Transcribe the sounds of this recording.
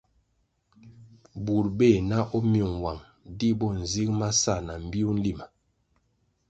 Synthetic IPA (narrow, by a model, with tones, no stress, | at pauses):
bu˨ɾbe˦˨na˦ʔɔ˦mju˨ŋwa˨ŋ | di˦bɔ˦n̩˨zi˦kma˦sa˦˨na˨m̩˨bi˦u˦n̩˦li˦ma˨